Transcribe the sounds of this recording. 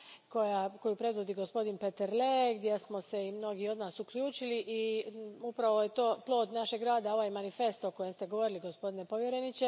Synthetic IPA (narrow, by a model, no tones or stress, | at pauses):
ko̞jako̞jupɾe̞d̪ʋod̪iɡo̞spo̞d̪inpe̞t̪eɾleɡd̪jesmo̞se̞imno̞ɡio̞d̪naːsukʎʲuːt͡ʃiliʔiupɾaʋo̞je̞t̪o̞ːplˠo̞ːd̪naʃeɡɾaːd̪ao̞ʋajmanife̞st̪o̞ko̞jemst̪e̞ɡo̞ʋo̞ɾiliɡo̞spo̞d̪inepo̞ʋje̞ɾenit͡ʃe